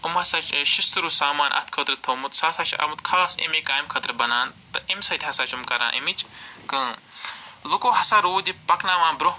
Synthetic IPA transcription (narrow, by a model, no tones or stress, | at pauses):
umhɐsaːt͡ʃʃist̪uɾuːsaːmaːnʔɐ̰t̪ʰkʰɐt̪ɾɨt̪ʰɐmut̪saːsaːt͡ʃʰɐ̰mut̪kʰaːsḭmeːkaːimkʰɐt̪ɾbɐnaːnt̪ɐʔimʲsɐt̪ʲɦɐsaːt͡ʃumkɐɾã̰ːʔḭmit͡ʃʰkɐ̃ː | lukoːɦɐsaːɾoːd̪ipɐknaːʋãːnbɾo